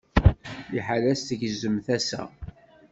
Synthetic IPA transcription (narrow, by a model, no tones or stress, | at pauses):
iħalæst̪əʝzəmθæsæ̰